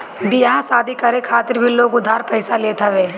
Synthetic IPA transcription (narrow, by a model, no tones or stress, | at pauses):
bijaɦãsaːd̪ʱikɐɾekʰaːt̪ɪɾbʱiloːɡʊd̪ʱːaːɾpɛːsaleːt̪ʰaʋeː